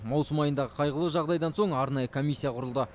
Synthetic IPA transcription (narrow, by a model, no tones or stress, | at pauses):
mɑwsəmɑjənd̪ɑʁəqʰɑjʁəlˠəʒɑʁd̪ɑjd̪ɑnso̞ɴɑɾnɑjəkʰomʲisʲːijɑqʰʊɾəlˠd̪ə